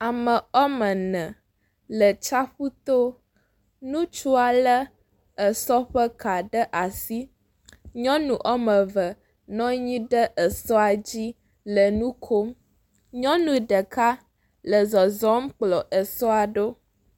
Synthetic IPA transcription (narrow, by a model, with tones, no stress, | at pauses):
a˨mə̃˨ɔ˦mə˨nɛ̃˨ | lə˨t͡ʃa˦ɸu˦t̪o˦ | nũ˦t͡ʃu˦a˨lə˦ | ə˨sɔ˦ɸə˦ka˨ɖə˦ʔa˨si˦ | ɲɔ̃˦nũ˨ʔɔ˦mə̃˨və˨ | nɔ̃˦ɲĩ˦ɖə˦ʔə˨sɔ˦a˨d͡ʑi˦ | lə˨nũ˦kʰo˦m | ɲɔ̃˦nũ˦ɖə˨ka˦ | lə˨zɔ˨zɔ˦m˦k͡plɔ˨ʔə˨sɔ˦a˨ɖo˦